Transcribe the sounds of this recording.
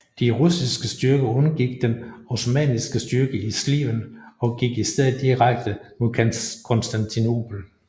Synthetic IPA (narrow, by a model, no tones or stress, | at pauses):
d̥iʁusisɡ̥əsd̥yɐɡ̥əɔ̽nɐɡ̥iɡ̥̚d̥enosmɛ̰nisɡ̥əsd̥yɐɡ̥əislḭmənɒ̽ɡ̥iɡ̥isd̥eð̰̩ˠd̥iʁaɡ̥̚d̥əmo̝kʰænkʰɔ̽nsd̥ænt͡sʰino̝̰ːpʰl̩